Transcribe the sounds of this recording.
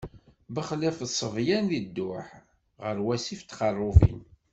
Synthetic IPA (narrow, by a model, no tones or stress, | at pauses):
bəχlæfðsˤəvjænðid̪ːʊħ | ʁəɾwæsift̪ːqɑrˤːʊvḭn